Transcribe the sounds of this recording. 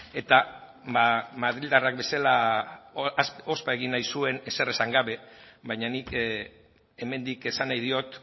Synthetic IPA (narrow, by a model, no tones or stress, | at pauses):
e̞t̪a | bamaðɾild̪arak̚be̞sala | ospaeɣinːajsue̞ne̞se̞resaŋɡaβe̞βajɲanik | e̞me̞nd̪ike̞sanajðio̞t̪